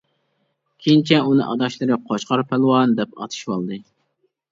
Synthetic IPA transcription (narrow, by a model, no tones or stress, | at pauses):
kʲʰeint͡ʃʰɛunɨ̰ʔɑd̪ɑʃlˠɨɾɨqʰoʃqʰɑɾpʰælˠwɑnd̪ɛpɑ̰t̪ʰɨ̥ʃwolˠɨd̪ɨ